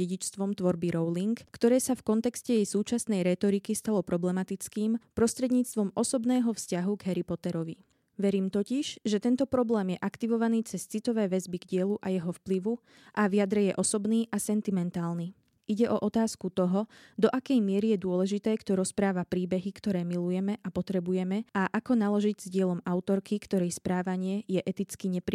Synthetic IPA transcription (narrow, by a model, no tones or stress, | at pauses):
ɛɟit͡ʃst̪ʋɔmt̪ʋɔɾbiɾɔʊliŋkːt̪ɔɾɛːsafkɔnt̪ɛkscɛjɛjsuːt͡ʃasnɛjɾɛt̪ɔɾikist̪alɔpɾɔblɛmat̪it͡skiːmpɾɔst̪ɾɛd̪ɲiːt͡st̪ʋɔmʔɔsɔbnɛːɦɔfscaɦuɡɦɛɾipɔt̪ɛɾɔʋi | ʋɛɾiːmt̪ɔciʒ̥ʒɛt̪ɛnt̪ɔpɾɔblɛːmjɛʔakt̪iʋɔʋaniːt͡sɛst͡sit̪ɔʋɛːʋɛzbiɡɟɪɛluʔajɛɦɔfpliʋu | ʔaʋɪad̪ɾɛjɛʔɔsɔbniːʔasɛnt̪imɛnt̪aːlni | ʔiɟɛʔɔʔɔt̪aːskut̪ɔɦɔd̪ɔʔakɛjmɪɛɾijɛd̪ʊɔlɛʒit̪ɛːkt̪ɔɾɔspɾaːʋapɾiːbɛɦikt̪ɔɾɛːmilujɛmɛʔapɔt̪ɾɛbujɛmɛaʔakɔnalɔʒiɟz̥ɟɪɛlɔmaʊt̪ɔɾkikt̪ɔɾɛjspɾaːʋaɲɪɛjɛʔɛt̪it͡skiɲɛpɾi